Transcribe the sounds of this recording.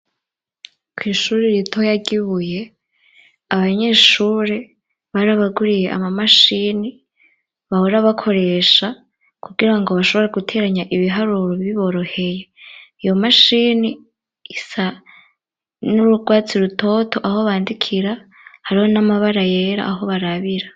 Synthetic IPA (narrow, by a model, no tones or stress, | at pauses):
kwiːʃuːɾiɾitʰo̞jaɡiβuje̞ | aβaɲe̞ːʃuːɾe | βaːɾaβaɡuɾije̞ʔa̰mamaʃini | βahoɾaβakʰo̞ɾe̞ːʃa | kuɡiɾaŋɡo̞βaʃo̞βo̞ɾeɡutʰe̞ːɾaɲaʔiβiɦaɾuɾoββiβo̞ɾo̞he̞je̞ijo̞maʃini | isa | nuɾuɡwaːt͡siɾutʰo̞tʰo̞ʔaho̞βaːndikʰiɾa | haɾiho̞namaβaɾaje̞ɾa̰ːɦo̞βaɾaβiɾa